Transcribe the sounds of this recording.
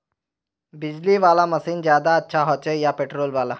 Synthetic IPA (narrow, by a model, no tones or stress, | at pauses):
bid͡ʑliːʋalaməsiːnd͡ʑjad̪aːtːɕʰaɦɔt͡ɕejapeʈɾoːlʋala